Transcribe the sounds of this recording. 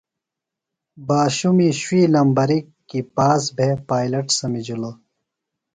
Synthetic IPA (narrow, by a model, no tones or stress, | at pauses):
baːɕumiɕwiːlɐmbɐɾikːipaːsbʱepaːjlɐʈsɐmid͡ʑulo